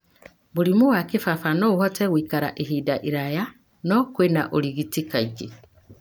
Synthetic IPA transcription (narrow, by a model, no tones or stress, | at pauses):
βulimuɣwakifafanouhoteɣwiːkaɾa̰ʔiɦidaʔiɾaja | nokwenaʔoliɣitikaiki